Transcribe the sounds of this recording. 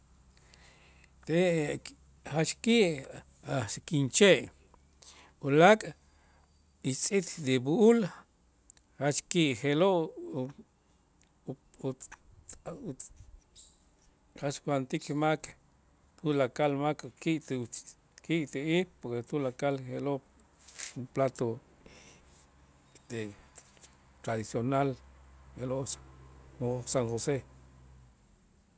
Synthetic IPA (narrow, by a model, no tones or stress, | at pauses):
t̪e | hat͡ʃkiʔ | aʃkint͡ʃeʔ | ulakʼ | it͡sʼit̪d̪ebuʔul | hat͡ʃkiʔxeloʔ | hat͡ʃkwant̪ikmak | t̪ulakalmakkiʔt̪ | kiʔt̪eipoɾket̪ulakalxeloʔ | uplat̪o | d̪e | t̪ɾaðisjonalxeloʔ | osaŋxose